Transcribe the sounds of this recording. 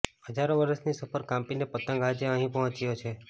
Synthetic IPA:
ɦəd͡ʒaɾõʋəɾəsnisəpʰəɾkãmpinepət̪ə̃ŋɡad͡ʒeə̃ɦĩpɔɦɔ̃t͡ʃjot͡ʃʰe

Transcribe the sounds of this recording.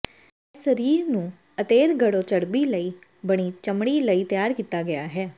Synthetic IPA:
səɾiːɾnũː | ət̪eːɾɡəɽõːt͡ʃəɽbiːləiː | bəɽ̃iːt͡ʃəmɽiːləiːt̪ɪjaːɾkiːt̪aːɡɪjaːɦɛː

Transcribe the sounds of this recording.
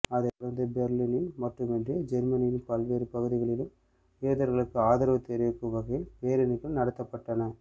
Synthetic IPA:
ɐðɛkʊɽɐɾnd̪ɯbɛɾlinɪnmɐʈrɯmɛndred͡ʒɛɾmɐnɪjɪnpɐlʋeːɾɯpɐɣɯðɪɣɐɭɪlɯm | eːðɐɾɣɐɭɯkːɯaːðɐɾɐʋɐt̪ːɛɾɪʋɪkːɯmʋɐɣɐjɪlpeːɾɪnɯkːɯnɐɽɐt̪ːɐpːɐʈːɐnɐ

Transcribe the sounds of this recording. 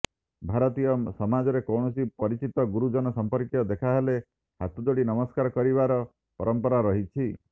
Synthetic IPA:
bʱaɾɔt̪ijɔsɔmad͡ʒɔɾekɔwɳɔsipɔɾit͡ʃit̪ɔɡuɾud͡ʒɔnɔsɔmpɔɾkjɔd̪ekʰaɦele | hat̪ud̪oɽinɔmɔskaɾɔkɔɾiβaɾɔ | pɔɾɔmpɔɾaɾɔɦit͡ʃʰi

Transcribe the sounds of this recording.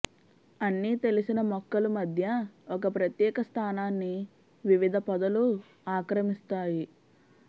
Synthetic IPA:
ɐnːiːt̪e̞lisinɐmɔkːɐlumɐd̪ʱjɐɔkɐpɾɐt̪jɛːkɐst̪ʰaːnaːnːi | ʋiʋid̪ʱɐpɐd̪ɐlu | aːkɾɐmist̪aːji

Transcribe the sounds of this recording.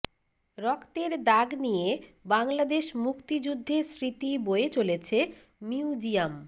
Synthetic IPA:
ɾɔkt̪eɾd̪aɡnijebaŋlad̪eʃmukt̪id͡ʑud̪ʱːesɾit̪iboet͡ɕolet͡ɕʰe | miud͡ʑiam

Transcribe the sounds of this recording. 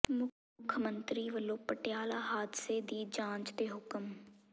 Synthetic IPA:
mʊ | kʰːəmə̃nt̪ɾiːʋəlõːpəʈjaːlaɦaːd̪ɪseːd̪iːd͡ʒãːnt͡ʃd̪eːɦʊkəm

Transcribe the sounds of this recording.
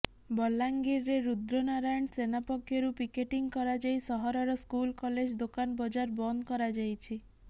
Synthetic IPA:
bɔlːaŋɡiɾːeɾud̪ɾonaɾajɔɳsenapɔkʰːjɔɾupikeʈiŋkɔɾad͡ʒajsɔɦɔɾɔɾɔskulkɔled͡ʒd̪okanbɔd͡ʒaɾbɔnd̪kɔɾad͡ʒajt͡ʃʰi

